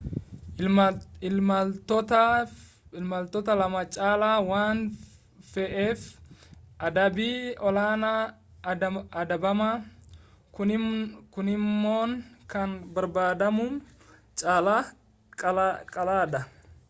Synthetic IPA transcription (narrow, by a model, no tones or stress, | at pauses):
ɪt̪ɔt̪ɐ | ɪlmɐlt̪ɔt̪ɐlɐmɐt͡ʃʼaːlaːwaːn | fɛʔeːf | ʔɐd̪ɐbiːɔlaːnɐ | ɐd̪ɐbɐmɐ | kʊɪkʊnɪmːoːŋkɐnbɐɾbaːd̪ɐmʊn | t͡ʃʼaːla | kʼɐlaːd̪ɐ